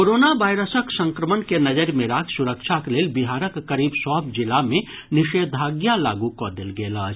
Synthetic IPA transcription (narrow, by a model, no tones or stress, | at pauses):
koɾoːnaʋajɾəsəksə̃ŋkɾəmənkenɐd͡ʒəɾmẽɾaːkʰsuɾəkt͡ʃʰakeleːlbiɦaːɾəkːəɾiːbsɔːbd͡ʒɪlamẽ | nɪʃeːd̪ʱaːɡjala̰ːɡukɔd̪elɡeːlaːd͡ʒ